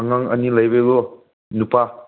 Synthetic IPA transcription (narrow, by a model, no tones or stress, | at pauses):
aŋaŋə̰nilajbeɡɔ | nupa